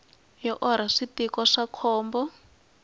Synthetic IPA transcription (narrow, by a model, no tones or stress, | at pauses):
jɔʔɔɾ̤aʂitikɔʂakʰɔːmbɔ